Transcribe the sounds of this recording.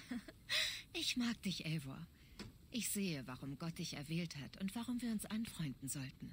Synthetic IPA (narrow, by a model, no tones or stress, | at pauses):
ʔɪçmaːk̚d̥ɪçʔɛːvo̰ɐ | ʔɪçz̥eːəvaʁʊmɡɔt̚d̥ɪçɛ̰ɐvɛːlthatʊntv̥aʁʊmviːɐʊnsʔanfʁ̥ɔʏndn̩zɔltn̩